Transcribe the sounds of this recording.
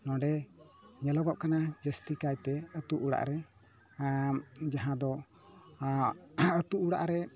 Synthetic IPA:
nɔ̃ɖɛ | ɲɛlɔɡɔʔkanad͡ʒəst̪ikajt̪ɛət̪uʔuɽa̰ʔɾɛ | d͡ʒaɦãd̪ɔ | ət̪uʔːɽa̰ʔɾɛ

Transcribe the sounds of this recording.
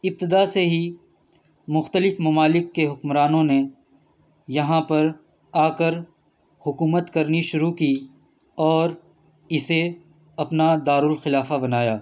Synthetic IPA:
ɪb̚t̪ɪd̪aseɦi | mʊxt̪əlɪfmɐmaːlɪkːeɦʊkmɾaːnõne | jɐɦãpɐɾ | aːkəɾ | hʊkuːmət̪kɐɾniʃʊɾukiː | ɔːɾ | ɪse | ɐpnad̪aːɾʊlxɪlaːfabɐnaːjaː

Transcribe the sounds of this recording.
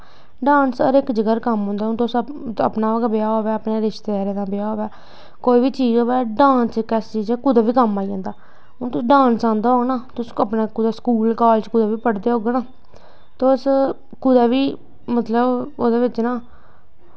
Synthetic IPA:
ɖãːnsə̰ɾɪkd͡ʒəɡəɾkəmɦõːnd̪aːʊnt̪osə̰pnaːɡbeaːɦoːʋɛːəpneːɾɪʃt̪eːɾed̪ãːbejaːɦoːʋɛː | koːiːbiːt͡ʃiːd͡ʒoːʋɛːɖãːnskɛːst͡ʃiːd͡ʒɛːkʊd̪aːʋiːkəmaːiãːnd̪aː | ɦʊnt̪ʊsɖãːnsãːnd̪aːɦoːɡnaːt̪ʊsəpnaːkʊd̪askuːlkaːlt͡ʃkʊd̪aːʋiːpəɽd̪eːɦoːɡnaː | t̪eʊs | kʊd̪aːʋiː | mət̪ləboːd̪eːʋɪt͡ʃnaː

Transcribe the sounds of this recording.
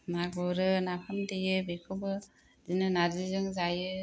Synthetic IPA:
naɡɔɾɯnapʰamdejɯbekʰɯbɯ | zinɯnazizɯŋzajɯ

